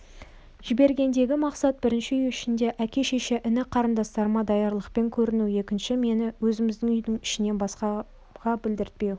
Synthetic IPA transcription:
ʒ̥ɪbe̞ɾɡʲe̞nd̪e̞ɡʲɪmɑqsɑt̪̚bɪɾɪnʃɪʏjɪʃɪnd̪e̞ʔækʲe̞ʃeʃeʔɪnɪqʰɑɾənd̪ɑst̪ɑɾmɑd̪ɑjɑɾlˠəqpe̞ŋkʲʰɵɾɪnuwe̞kʲɪnʃɪme̞nɪwɵzɪmɪzd̪ɪŋʏjd̪ɪŋɪ̥ʃɪ̆ne̞nbɑsqɑ | ʁɑbɪld̪ɪɾt̪̚pe̞w

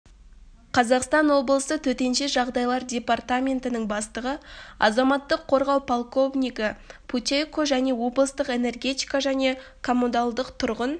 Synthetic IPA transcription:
qʰɑzɑqst̪ɑnwo̞blˠəsət̪ʰɵt̪e̞nʃeʒɑʁd̪ɑjlˠɑɾdʲe̞part̪amʲe̞nt̪ɪnəŋbɑst̪əʁəɑ̰zɑmɑt̪ːəqʰːo̞ɾʁɑwpʰolˠko̞vnʲijkɪpʰut̪ʲejkoʒæne̞wo̞blˠəst̪əqe̞ne̞rɡʲe̞t̪ʲijkɑʒæne̞kʰo̞munalˠd̪əqt̪ʰʊɾʁən

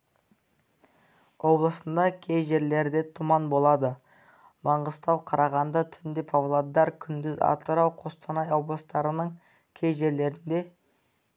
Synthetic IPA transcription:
wo̞blˠəsənd̪ɑkʲʰejʒe̞ɾle̞ɾd̪e̞t̪ʰʊmɑnbo̞lˠɑd̪ə | mɑɴʁəst̪ɑwqʰɑɾɑʁɑnd̪ɑt̪ʰʏnd̪epʰɑvlˠad̪ːɑɾkʲʰʏnd̪ɪzɑ̰t̪əɾɑwqʰo̞st̪ʰɑnɑjo̞blˠəst̪ɑɾənəɴ | kʲʰejʒe̞ɾle̞ɾɪnd̪e̞

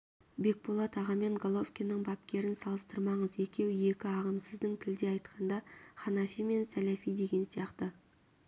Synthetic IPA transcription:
be̞k̚bolˠɑt̪ʰɑʁɑme̞ŋɡolˠofkʲinːəɴbɑpkʲe̞ɾɪnsɑlˠəst̪əɾmɑɴəze̞kʲe̞wje̞kʲɪɑʁəmsɪzd̪ɪŋt̪ʰɪld̪e̞ɑjt̪qɑnd̪ɑχɑnɑfijme̞nsælæfijd̪e̞ɡʲe̞nsijɑqt̪ə

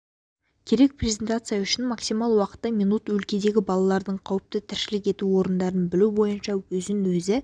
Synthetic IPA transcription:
kʲʰe̞ɾe̞k̚pʰrʲe̞zʲe̞nt̪at̪sɨjɑʏʃɪnmɑksijmɑlˠwɑqə̥t̪ːɑminut̪wɵlkʲe̞d̪e̞ɡʲɪbɑlˠɑlˠɑɾd̪əɴqʰɑwəp̚t̪ət̪ʰɪɾʃɪlɪkʲe̞t̪uwo̞ɾənd̪ɑɾənbɪlubo̞jənʃɑwɵzɪnwɵzɪ

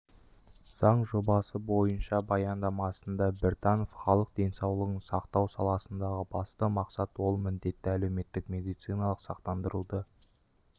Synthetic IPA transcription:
z̥ɑɴʒo̞bɑsəbo̞jənʃɑbɑjɑnd̪ɑmɑsənd̪ɑbeɾt̪ʰɑnofχɑlˠəq̚d̪e̞nsɑwlˠəʁəɴsɑqt̪ɑwsɑlˠɑsənd̪ɑʁəbɑst̪əmɑqsɑt̪wo̞lˠmɪnd̪e̞t̪ːɪæle̞wme̞t̪ːɪkmʲe̞d̪ijt̪sijnɑlˠəqsɑq̚t̪ɑnd̪əɾə̰d̪ə

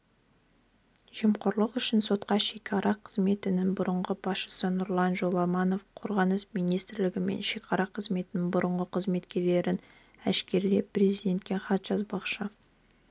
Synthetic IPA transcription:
ʒ̥iəmqʊɾlˠəqʏʃɪnso̞t̪qɑʃekʲʰɑɾɑqʰəzme̞t̪ɪnɪŋbʊɾəɴʁəbɑsʃə̥sənʊɾlˠɑnʒo̞lˠɑmɑno̞fqʰo̞ɾʁɑnəsmijnijst̪ɾlɪɡʲɪme̞̰nʃekʲɑɾɑqʰəzme̞t̪ɪnɪŋbʊɾəɴʁəqʰəzme̞t̪kʲe̞ɾle̞ɾɪn | æ̰ʃkʲe̞ɾle̞pɾʲe̞zijd̪ʲe̞nt̪̚kʲe̞χɑt̪ʒ̥ɑzbɑqʃə

